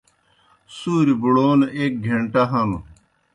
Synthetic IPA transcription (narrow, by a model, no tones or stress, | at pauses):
suːɾibuɽoːnʔek̚ɡʱeɳʈaɦɐmu